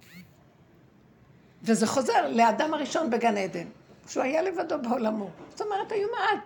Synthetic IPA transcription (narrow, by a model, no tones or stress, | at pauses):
vezeχo̞ze̞ʁlead̪amaʁiʃo̞nbeɡaned̪emʃuajale̞vad̪o̞beolamozot̪omeʁet̪hajumaal